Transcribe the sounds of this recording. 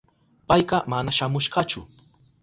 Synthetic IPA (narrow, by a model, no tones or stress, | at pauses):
pajɢɑmanaʃamʊʃɢɑt͡ʃʊ̰